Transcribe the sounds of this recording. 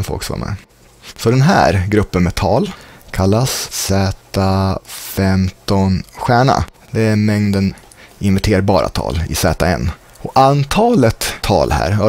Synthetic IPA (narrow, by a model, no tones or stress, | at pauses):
nfɔ̰lksɑ̰ːmɛ̰ | sɔd̪ɛnɦæ̰ːɾɡɾɵpːənmɛt̪ʰɑːlkʰalːassɛːt̪afɛmt̪ɔnɧæːɳa̰ | d̪ɛæɾmɛŋd̪ən | ɪnvæʈʰeːɾbɑːɾa̰t̪ʰɑ̰ːlɪ̰sɛːt̪aɛ̰nː | ɔkant̪ʰɑːlət̪ʰːɑ̰ːlhæ̰ːɾɑ